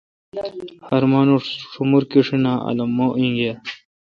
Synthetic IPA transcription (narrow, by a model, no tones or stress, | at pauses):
hɐɾmaːnuʂumuɾkiʂinaːɐ̰lɐmːoʔĩŋɡe